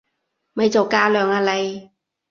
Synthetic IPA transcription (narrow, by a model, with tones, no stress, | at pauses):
mɐ˨jt͡so˨˩wkaː˧lœː˨˩ŋaː˧lɐ˨˧j